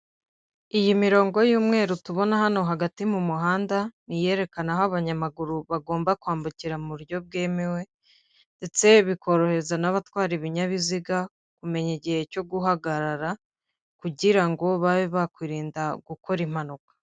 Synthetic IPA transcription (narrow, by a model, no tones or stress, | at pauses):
ijimiɾo̞ːŋɡo̞juːmŋe̞ːɾutuβo̞nahano̞ɦaɡatimumuɦaːndanije̞ːɾe̞kanaɦoaβaɲamaɡuɾuβaɡo̞ːmbakwaːmbuciɾamuɾjo̞b̚ɡe̞ːmewe̞ | nde̞t͡se̞βikʰo̞ɾo̞he̞zanaβatwaːɾiβiɲaβiziɡa | kume̞ɲeɟihe̞co̞ɡuɦaɡaɾaɾa | kuɟiɾaŋɡo̞βaβiβakwiɾiːndaɡuko̞ɾim̥hanukḁ